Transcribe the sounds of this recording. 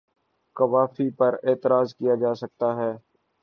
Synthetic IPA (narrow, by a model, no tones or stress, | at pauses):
kɐʋaːfipɐɾeːt̪əɾaːzkijad͡ʒaːsɐk̚t̪aɦɛː